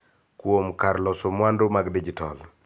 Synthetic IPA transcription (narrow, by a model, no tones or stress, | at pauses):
kwomkaɾlɔsomwandomaɡdid͡ʒitɔ̰l